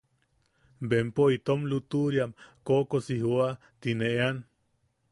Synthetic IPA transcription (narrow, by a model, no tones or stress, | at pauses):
bempoit̪omlut̪uɾjamkokosiɦua | t̪ineʔean